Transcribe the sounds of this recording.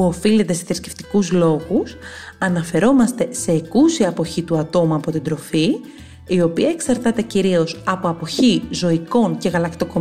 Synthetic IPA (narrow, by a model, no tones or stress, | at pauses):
uo̞file̞t̪e̞seθɾisce̞̥ft̪i̥kuzlo̞ɣus | ɐnɐfe̞ɾo̞mɐst̪e̞se̞ːkusiɐpo̞çit̪uɐt̪o̞muɐpo̞t̪ind̪ɾo̞fi | io̞piɐe̞ksɐɾt̪ɐt̪e̞ciɾio̞sɐpo̞ɐpo̞çizo̞iko̞ɲce̞ɣɐlɐkt̪o̞ko̞